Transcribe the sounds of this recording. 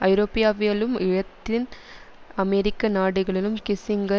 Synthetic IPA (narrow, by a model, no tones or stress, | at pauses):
ʔɐɪɾoːpːɪjaːʋɪjɐlɯmɪɻɐt̪ːɪn | ɐmɛɾɪkːɐnaːɽɯɣɐɭɪlɯmkɪsɪŋɡɐ